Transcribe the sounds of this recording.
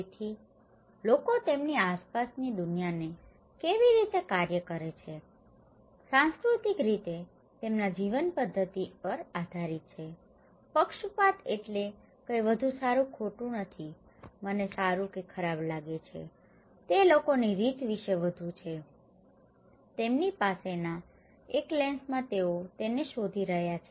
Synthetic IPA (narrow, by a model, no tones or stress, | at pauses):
t̪ʰi | lokot̪emniaspasnid̪ʊnjane | keʋiɾit̪ekaɾjəkəɾet͡ʃʰe | sãnskɾut̪ikɾit̪e | t̪emnad͡ʒiʋənpəd̪ʱːət̪ipəɾad̪ʱaɾit̪̚t͡ʃʰe | pəkʃupat̪eʈle | kəiʋəd̪ʱũsaɾũkʰoʈũnət̪ʰi | mənesaɾũkekʰəɾablaɡet͡ʃʰḛ | t̪elokoniɾit̪ʋiʃeʋəd̪ʱũt͡ʃʰe | t̪emnipasena | eklẽnsmãt̪eot̪eneʃod̪ʱiɾəɦjat͡ʃʰe